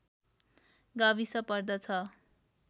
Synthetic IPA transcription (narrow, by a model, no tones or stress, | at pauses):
ɡabisʌpʌrd̪ʌt͡sʰʌ